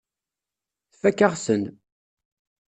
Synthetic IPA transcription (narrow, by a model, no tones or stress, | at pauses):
θfækːaʁsən